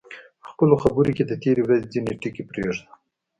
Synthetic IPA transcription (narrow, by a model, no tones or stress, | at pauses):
əxpəloxabuɾiked̪ət̪eɾewɾazed͡zineʈikepɾeʐd̪a